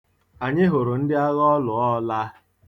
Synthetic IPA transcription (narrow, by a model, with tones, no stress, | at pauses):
a˨ɲɪ˦ɦʊ˨ɾʊ˨n̩˦dɪ˦a˦ɣɔ˦lʊ˨ɔ˦la˦